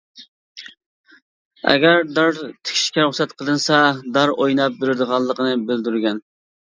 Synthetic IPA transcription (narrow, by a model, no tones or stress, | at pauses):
ɛ̰ɡʲæɾd̪ɑɾt̪ʰɪ̥kʲʰʃkʲɛɾuχsɛt̪qʰəlˠɨnsɑd̪ɑɾojnɑp̚beɾɪɾd̪əʁɑnlˠːəqənɨbɪld̪yɾɡʲɛn